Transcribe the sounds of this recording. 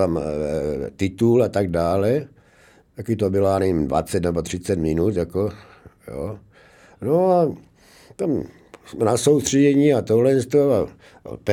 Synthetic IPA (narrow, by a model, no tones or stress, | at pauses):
am | t̪ɪt̪ulat̪aɡ̚daːlɛ | t̪akɪt̪obɪlanɛimdva̰t͡sɛt̪nɛbot̪r̥ɪt͡sɛt̪mɪnut̪jako | jo̰ː | noa | t̪am | smɛnasowst̪r̥ɛɟɛɲiːat̪oɦlɛst̪oa̰ | p